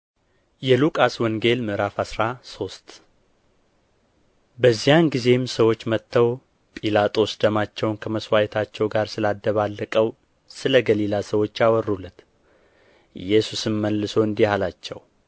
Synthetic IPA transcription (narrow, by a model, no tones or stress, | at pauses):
jɛlukʼaswɔŋɡe̞lmɨɾafasɾaso̞st̪ʼ | bəzːijanɡize̞msəwo̞t͡ʃːmət̪ːəw | pʼilat̪ʼo̞sd̪əmat͡ʃːɛwnkʰəməswajɛt̪ʰat͡ʃːɛwɡaɾsɨlad̪ːəβalːəkʼəw | sɨləɡəlilasəwo̞t͡ʃːawɔrːulːət̪ | ɨ̰jɛsusɨnməlːɨso̞ɨnd̪ihalat͡ʃːɛw